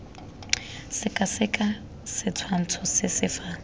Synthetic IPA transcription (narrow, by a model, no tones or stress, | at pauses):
sɪkʼasɪkʼa | sɪt͡sʰwan̩t͡sʰɔsɪsɪfa